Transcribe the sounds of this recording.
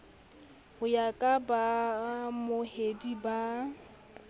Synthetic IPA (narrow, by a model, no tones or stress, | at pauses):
hʊjakʼabamʊhediba